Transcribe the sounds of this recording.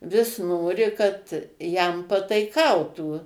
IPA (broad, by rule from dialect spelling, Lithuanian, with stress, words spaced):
ʋʲɪs ˈnoːrʲɪ kɐt ˈjɛm pɐtɐɪˈkɐʊtuː